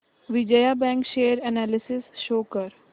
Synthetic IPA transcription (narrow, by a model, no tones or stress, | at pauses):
ʋɪd͡ʒəjabɛ̃ŋkʃeːəɾɛnæːlɪsɪsʃoːkəɾ